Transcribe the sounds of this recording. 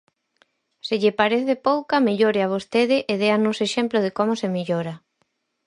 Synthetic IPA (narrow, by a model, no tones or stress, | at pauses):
sɪʎɪpaɾeθepowkameʎoɾɪaβ̞ost̪eð̞ɪʔeðeanoseʃemploð̞ekomʊsemiʎoɾɐ